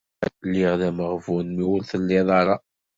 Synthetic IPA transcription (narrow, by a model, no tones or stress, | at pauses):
lːɪʁðæməʁvunmiwʊlθəlːɪðˤɑɾˤɑ